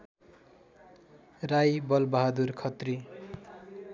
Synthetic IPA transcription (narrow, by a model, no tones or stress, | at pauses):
rajbʌlbʌɦad̪urkʰʌt̪ri